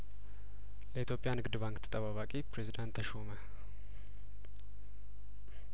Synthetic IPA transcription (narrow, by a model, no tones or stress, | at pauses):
ləit̪ʰjo̞pʼjanɨɡɨd̪ɨβaŋkt̪ʰə̥t̪ʼəβaβakʼipɾezid̪ant̪ʰːəʃomə